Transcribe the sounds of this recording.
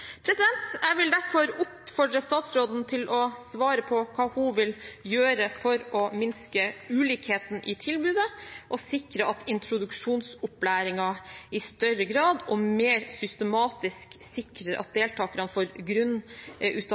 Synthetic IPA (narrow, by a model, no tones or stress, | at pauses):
pʰɾɛsɪd̪ɛnt̪æʋɪld̪æɾfɔɾʊpfɔɖɾəst̪ɑːt̪sɾoːd̪n̩t̪ʰɪlɔsʋɑːɾəpʰɔkʰɑːhʊʋɪljøːɾəfɔɾɔmɪnskəʉːliːkheːt̪n̩ʔɪt̪ʰɪlbʉːd̪əʔɔsɪkɾəɑt̪ɪnt̪ɾʊd̪ʉkʂuːnsʊplæːɾɪŋɑɪst̪œɾəɡɾɑːd̪ɔmeːɾsʏst̪əmɑːt̪ɪsksɪkɾəɾʔɑ̰t̪̚d̪eːlt̪ʰɑːkəɾɑnfoːɾɡɾʉnːʔʉːt̪